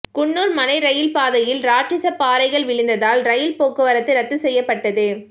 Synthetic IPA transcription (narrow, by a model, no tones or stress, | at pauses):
kʊɳːuːɾmɐnɐɪɾɐjɪlpaːðɐjɪlɾaːʈrɪsɐpːaːɾɐɪɣɐɭʋɪɻɯnd̪ɐðaːlɾɐjɪlpoːkːɯʋɐɾɐt̪ːɯɾɐt̪ːɯsɛjːɐpːɐʈːɐðɯ